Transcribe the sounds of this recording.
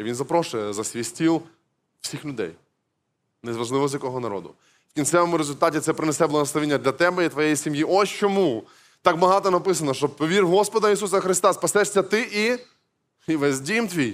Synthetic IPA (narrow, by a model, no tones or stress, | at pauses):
iʋinzɐpɾɔʃʊjɛzɐsʲʋʲijsʲtʲilˠ | w̥sʲixlʲʊd̪ɛ̰j | nezʋɐʒlˠɪʋɔzʲjɐkɔɦɔnɐɾɔ̰d̪ʊ̰ | wkʲinsʲɛʋɔmʊɾezʊlʲt̪ɑtʲit̪sɛpɾɪnesɛblˠɐɦɔslɐʋʲinʲːɐd̪lʲɐt̪ɛbɛit̪ʋɔjejisʲimjiʔɔsʲt͡ʃɔmu | t̪ɑkbɐɦɑt̪ɔnɐpɪsɐnɔʃt͡ʃɔbpɔʋʲirɦɔspɔd̪ɐisusɐxɾɪst̪ɑspɐsɛʂʲsʲɐt̪ɪʔi | iʋɛzʲdʲimt̪ʋʲij